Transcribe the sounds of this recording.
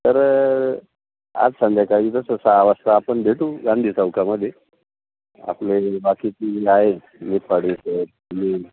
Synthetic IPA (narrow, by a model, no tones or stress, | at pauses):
t̪əɾ | a̰d͡zsãnd̪akaɦiːt̪əsəsaʋast̪aːpəɳd̪ʱeʈ̪uːɡãnd̪ʱiːt͡səwkaməd̪ʱːje | a̰plebakiːt̪iiaɦe | mit̪paɽiset̪ | li